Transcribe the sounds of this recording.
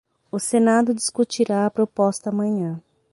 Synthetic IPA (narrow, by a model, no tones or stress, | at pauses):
ʊsenad̪ʊd͡ʒiskut͡ʃiɾaɐpɾopɔst̪ɐːmɐ̃ɲɐ̃